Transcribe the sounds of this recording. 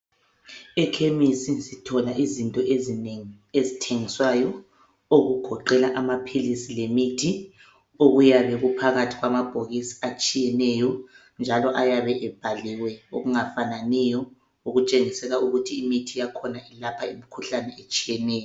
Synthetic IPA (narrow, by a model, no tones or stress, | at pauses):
ɛkʰemisisitʰɔlaʔizintʼɔezŋi | ezitʰeŋiswajɔ | oɣuɡ̥ʱɔǃɛlaʔamapʰilisilemitʰi | oɣujaβɛɣupʰaɣatʰiɣwamab̥ʱoɣisi̥at͡ʃʼijɛnɛjɔ | nd͡ʒʱalɔʔajaβɛʔɛb̥ʱaliwɛoɣuŋafananɛjɔ | uɣut͡ʃʼeŋisɛɣauɣutʰiːmitʰijakʰɔnaʔilapʰaimikʰuɬanɛet͡ʃʼijɛnɛːjɔ